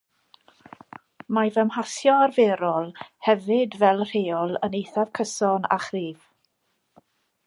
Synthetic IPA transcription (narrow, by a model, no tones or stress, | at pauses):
mavəmhasjɔarveːɾɔlˠhɛvɪdvɛlˠr̥eːɔlˠənejθav̥kʰəsɔna̰χriːv